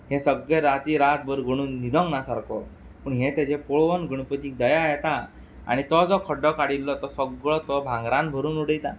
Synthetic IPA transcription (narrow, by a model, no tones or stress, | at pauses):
ɦɛ̃səɡɭeɾat̪iːɾat̪̚bʱəɾɡʱəɽ̃uːnːid̪ʱɔ̃ŋɡnasaɾkɔ | pəɳɦɛ̃t̪ad͡ʑepɔɭʋənɡəɽ̃pət̪iːk̚d̪əjajɛt̪a | a̰ɽ̃it̪ɔd͡zɔkʰəɖɔkaɽilːɔt̪ɔsəɡɭɔt̪ɔbʱãŋɡɾãn̚bʱəɾuːnuɽəjt̪a̰